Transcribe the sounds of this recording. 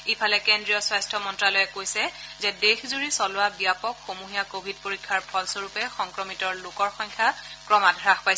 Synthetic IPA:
ipʰalɛkendɹijɔswajstʰɔmɔntɹalɔjɛkojsɛzɛdexzuɹisɔlʊabijapɔkxomuɦijakobʱid̚poɹikʰːaɹpʰɔlsoɹupɛxɔŋkɹɔmitɔɹlokɔɹxɔŋkʰakɹɔmadʱɹaxpajs

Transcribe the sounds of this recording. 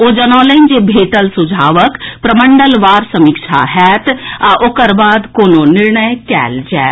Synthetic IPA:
oːd͡ʒənɔːləind͡ʒeːbʱeːʈəlsʊd͡ʒʱaːʋəkpɾəməɳɖəlʋaːɾsəmɪkʃʰa̰ːɦɛːt̪ʔoːkəɾbaːd̪koːnõːnɪɾɳəjkɛ̰ːld͡ʒɛː

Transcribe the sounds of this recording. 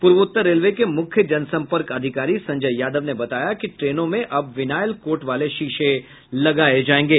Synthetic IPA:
pʊɾʋʊt̪ːəɾːeːlʋekemʊkʰjəd͡ʒɐnsɐ̃mpəɾkɐd̪ʱɪkaːɾisɐ̃ɲd͡ʒəjjaːd̪əʋnebɐt̪aːjakiʈɾeːnõmẽʔɐbʋɪnaːjəlkoːɾʈʋaːleʃiːʃe | lɐɡaːed͡ʒaːẽːŋɡeː

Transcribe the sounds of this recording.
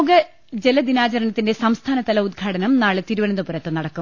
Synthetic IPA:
ɡɐ | d͡ʑelɐd̪inaːt͡ɕɐɾɐɳɐt̪ːinde̞sɐmst̪ʰaːnɐt̪ɐlɐud̪̚ɡʰʱaːɽɐnɐmnaːɭɨt̪iɾuʋɐnɐnd̪ɐpuɾɐt̪ːɨnɐɽɐkːu

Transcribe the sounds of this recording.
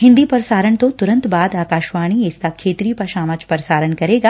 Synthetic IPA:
hɪ̃nd̪ipɐɾsaːɾəɳt̪ot̪ʊɾə̃nt̪baːd̪aːkaːʃʋaːɽ̃iest̪akʰːeːt̪ɾipɐʃaːmət͡ʃpɐɾsaːɾəɳkɐɾeːɡaː

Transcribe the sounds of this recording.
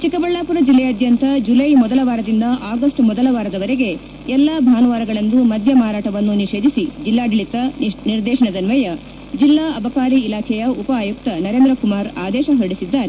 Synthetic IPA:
t͡ʃikɐbɐɭːaːpuɾɐd͡ʒilːɛɐd̪ʱjɐnt̪ɐd͡ʒulɐjmɔd̪ɐlɐʋaːɾɐd̪ind̪ɐʔaːɡɐsʈmɔd̪ɐlɐʋaːɾɐd̪ɐʋɐɾeɡe̞ | ɛlːabʱaːnuʋaːɾɐɡɐɭɐnd̪umɐd̪ʱjɐmaːɾaːʈɐʋɐnːuniʃe̞ːd̪isid͡ʒilːaːɖiɭit̪ɐniɾd̪ɛːʃɐɳɐd̪ɐnʋɐjɐ | d͡ʒilːaːɐbʱɐkaːɾiːlaːkʰɛjɐupɐaːjuk̚t̪ɐnɐɾe̞ːnd̪ɾɐkumaːɾaːd̪ɛːʃɐɦɐɽisid̪ːaːɾe

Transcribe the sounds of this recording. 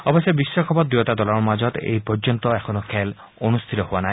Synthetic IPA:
ɔbɔsjɔbisːɔkʰɔbɔt̪d̪ujot̪ad̪ɔlɔɹmad͡ʒɔt̪ḛjpɔɾd͡ʒɔnt̪ɔɛkʰɔnɔkʰɛl | onust̪ʰit̪ɔɦuanaj

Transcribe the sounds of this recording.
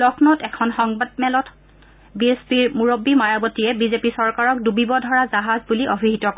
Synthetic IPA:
lɔkʰnɔtɛkʰɔnxɔŋbad̚mɛlɔt | biespiɹmuɹobimajabɔtijɛbizepisɔɹkaɹɔk̚dubibɔdʱɔɹazaɦazbuliʔɔbʱiɦitɔkɔ

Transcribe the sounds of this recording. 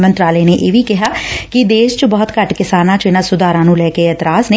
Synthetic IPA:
mənt̪ɾaːleːneːʔeːʋiːkɪɦaːkɪd̪eːʃt͡ʃbɔːt̪kəʈkɪsaːnãːt͡ʃɪnãːsʊd̪aːɾãːnũːlɛːkeɛːt̪ɾaːsneː

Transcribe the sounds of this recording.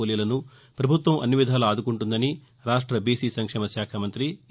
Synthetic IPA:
oːlijɐlɐnu | pɾɐbʱut̪ʋɐmʔɐ̰nːiʋid̪ʱaːlɐaːd̪ukuɳʈund̪ɐni | ɾaːʂʈɾɐbiːsiːsɐŋkʂɛːmɐʃjaːkʰamɐnt̪ɾi

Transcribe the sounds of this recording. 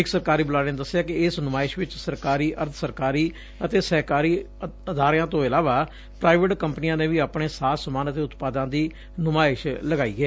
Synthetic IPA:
ɪksəɾkaːɾiːbəlaːɽɪ̃nd̪əsːjaːkɪɪsnʊmaːɪʃʋɪt͡ʃsəɾkaːɾiːʔəɾt̪ʰsəɾkaːɾiː | ət̪eːsɛːkaːɾiː | əd̪aːɾjãːt̪õːɪlaːʋaː | pɾaːɪʋɪʈkəmpniːãːneːʋiːaːpɳeːsaːsəmaːnət̪eːʊt̪paːd̪ãːd̪iː | nʊmaːɪʃləɡaːiːɛː

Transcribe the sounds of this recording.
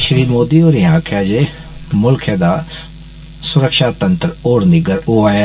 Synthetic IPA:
ʃəɾiːmoːd̪iːoːɾĩãːkʰjaːd͡ʒe | mʊlkʰjãːd̪aː | sʊɾəkʃaːt̪ənt̪əɾoːɾnɪɡəɾoaːja

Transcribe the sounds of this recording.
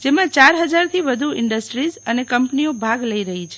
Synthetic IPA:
d͡ʒemãt͡ʃaɾɦəd͡ʒaɾt̪ʰiʋəd̪ʱuɪɳɖəsʈɾizənekəmpniobʱaɡləiɾəɦit͡ʃʰe̥

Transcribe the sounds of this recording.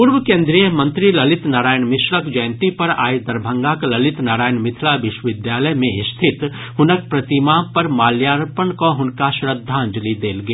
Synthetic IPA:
pʊɾʋəkẽːnd̪ɾijəmɐ̃nt̪ɾilɐlɪt̪naːɾaːjənmɪʃɾəkd͡ʒɐjə̃nt̪ipɐɾa̰ːed̪ɐɾbʱə̃ŋɡaːklɐlɪt̪naːɾaːjənmɪt̪ʰlaʋɪʃwəʋɪd̪jaːləjmẽɪst̪ʰɪt̪ | ɦʊnək̚pɾɐt̪imaːpɐɾmaːljaːɾpənkoɦʊnkaʃɾəd̪ʱːãːɲd͡ʒlid̪eːlɡjaː

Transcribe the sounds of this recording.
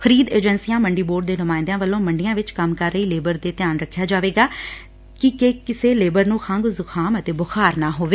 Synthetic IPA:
kʰəɾiːd̪eːd͡ʒənsijãːməɳɖiːboːɾɖ̚d̪eːnʊmãːɪ̃nd̪jãːʋəlːõːməɳɖɪjãːʋɪt͡ʃkəmkəɾːəiːleːbəɾd̪eːt̪ɪjaːnɾəkʰːjaːd͡ʒaːʋeːɡaː | kɪkeːkɪseːleːbəɾnũːkʰə̃ŋɡzʊkʰaːmət̪eːbʊxʰaːɾnãːɦoːʋeː

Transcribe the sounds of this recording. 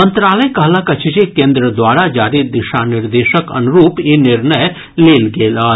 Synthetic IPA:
ə̃nt̪ɾaːləjkɐɦlakɐt͡ʃʰːd͡ʒekẽːnd̪ɾəd̪ʋaːɾad͡ʒaːɾid̪ɪʃanɪɾd̪eːʃəkɐ̰nʊɾuːpjenɪɾnəj | leːlɡeːlaː

